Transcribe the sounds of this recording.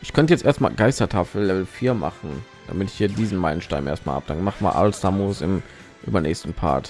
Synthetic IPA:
ʔɪçkʰœntəjɛt͡stʔeːɐstma̰ːlɡaɪstɐtʰaːfl̩lːɛvl̩fiːɐma̰χn̩ | d̥a̰mɪtɪ̥çhiːɐdiːzn̩maɪnən̩ʃtaɪmʔḛːɐstma̰lʔab̚d̥a̰ŋəmaχəma̰ːlʔa̰ləsd̥amosɪm | ʔyːbɐnɛːçstn̩pʰa̰ɐt

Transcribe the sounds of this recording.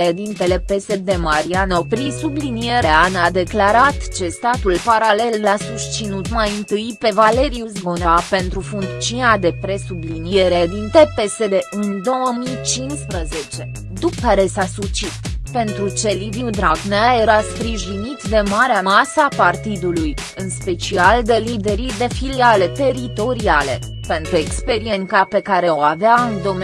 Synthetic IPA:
ed̪int̪e̞le̞pe̞se̞d̪e̞maɾianopɾisublinijeɾeanad̪e̞klaɾat̪t͡ʃe̞st̪at̪ulpaɾale̞lːasust̪t͡ʃinut̪majɨnt̪ɨjpe̞vale̞ɾiuzboneape̞nt̪ɾufuŋkt̪t͡ʃiunad̪e̞pɾe̞sublinije̞ɾed̪int̪e̞pe̞se̞d̪e̞ʔɨnd̪o̞wəmit͡ʃinspɾəze̞t͡ʃe̞ | d̪ukːaɾe̞sasut͡ʃit̪pe̞nt̪ɾut͡ʃe̞liviud̪ɾaɡneje̞ɾaspɾiʒinit̪d̪e̞maɾeamasəapart̪id̪uluj | ɨnspe̞t͡ʃiald̪e̞lid̪e̞ɾid̪e̞filiale̞t̪e̞ɾit̪o̞ɾiale̞ | pe̞nt̪ɾue̞kspe̞ɾie̞nʲkape̞kaɾe̞oaveaɨnd̪o̞m

